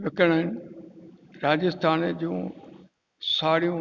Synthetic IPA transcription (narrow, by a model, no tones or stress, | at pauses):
ʋɪkəɽ̃əɦɪn | ɾaːd͡ʑɪst̪ʰaːnd͡ʑũː | saːɾijũ